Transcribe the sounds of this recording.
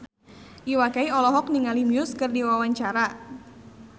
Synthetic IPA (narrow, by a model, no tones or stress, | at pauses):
ʔiwakaiɔlɔɦɔk̚niŋalimiʊskɨrdiwawaɲt͡ʃaɾa